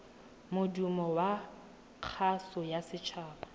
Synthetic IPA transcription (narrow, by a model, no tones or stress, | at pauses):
mʊdumɔwa | q͡χʰasɔjasɪt͡ʃʰaːbḁ